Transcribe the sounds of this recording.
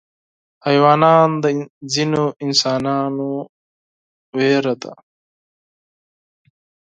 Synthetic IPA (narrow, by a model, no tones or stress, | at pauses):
hɐjwaːnaːnd̪ɐzinoinsaːnaːnu | weːɾɐt̪a̰